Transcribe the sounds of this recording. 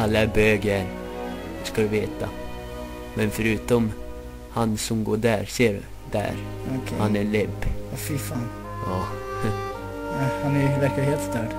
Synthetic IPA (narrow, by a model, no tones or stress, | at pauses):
alːaæbøːɡəɛɾ | skad̪ɵveːt̪a | mɛnfœɾʉ̟ːt̪ɔm | hansɔmɡo̰ːɖæːɾseːɾ | d̪æ̰ːɾ | ɔkʰhanælɛbːafɪfɑːn | ɑː | ahanævæɾkheːlt̪st̪œːɖ